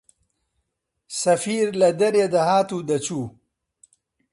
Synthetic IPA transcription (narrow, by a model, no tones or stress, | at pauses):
sɐfiːɾlɐd̪ɐɾed̪ɐɦaːt̪ud̪ɐt͡ɕu